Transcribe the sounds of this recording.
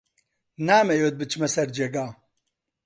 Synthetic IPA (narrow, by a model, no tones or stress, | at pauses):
naːmɛjot̪̚bɨt͡ʃʰmɛsɛɾd͡ʒeɡaː